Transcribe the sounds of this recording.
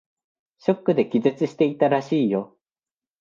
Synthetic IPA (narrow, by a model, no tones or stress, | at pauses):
ɕo̞kːɯ̟d̪e̞kʲizet͡sɨɕi̥t̪e̞it̪aɾaɕiːjo̞